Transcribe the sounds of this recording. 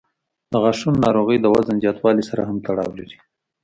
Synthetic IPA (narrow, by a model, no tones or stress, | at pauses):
d̪̥əɣɑʂunːɑɾoɣəjd̪əwazanzjɑt̪wɑlisaɾaɦamt̪aɽɑ̰wlaɾi